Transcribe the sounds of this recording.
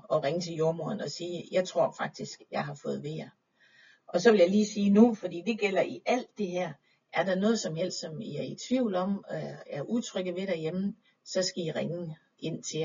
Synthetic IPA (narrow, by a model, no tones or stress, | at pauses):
ɒ̽ʁeŋət͡sʰe̝ljo̝ɐmoɐnɒ̽siːjɑ̈ɪt͡sʰʁo̝ɐ̰fɑ̈ɡ̥̚d̥isɡ̥jɑ̈ɪɦɑ̈fɔ̽ːð̞̩ˠʋe̝je | ʔɒ̽sɒ̽ʋe̝ljɑ̈liːsiːnufɒ̽d̥ḭːd̥e̝ɡ̥el̰ɐʔiʔæl̰d̥ːe̝ɦeɐ̰ | ʔæɐɾ̥ɑ̈nɔ̽ːð̞̩ˠsɒ̽mjel̰d̥sɒ̽miæɐit͡sʰʋiʊ̰lɒ̽m̰æɐʔut͡sʰʁœɡ̥ð̩ˠʋe̝ɾ̥æjem | sɒ̽sɡ̥æiʁeŋ | e̝n̰t͡sʰe̝